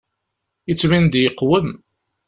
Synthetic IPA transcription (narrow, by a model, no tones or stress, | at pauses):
ət͡sːwind̪jəqːwəm